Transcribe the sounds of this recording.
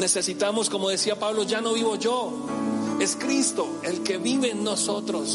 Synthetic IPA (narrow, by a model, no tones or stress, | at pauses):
ne̞se̞sit̪amo̞sko̞mo̞ðesiapaβlo̞ʝano̞βiβo̞ʝo̞ | e̞skɾist̪o̞ | e̞lke̞βiβe̞ːnːo̞so̞t̪ɾo̞s